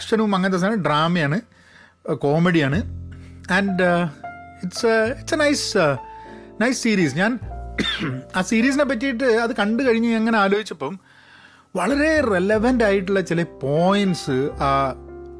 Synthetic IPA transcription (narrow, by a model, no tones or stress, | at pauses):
ʂɐnumɐŋːɐnt̪̬ːɐsaːɖraːmɐjaːɳɨ | ko̞ːmeɽijaːɳɨ | ɐɳɖ | iʈsiʈsenɐjs | nɐjssiːɾiːsɲaːn | aːsiːɾiːs̬inep̬ːɐt̬ːijiʈ̬ːɨɐðɨkɐɳɖɨkɐɻiɲːueŋːɐne̞aːloːd͡ʑit͡ɕːɐpːom | ʋɐɭɐɾe̞releʋɐndaːjiʈːuɭːɐt͡ɕilepo̞ːjɐnɖsɨaː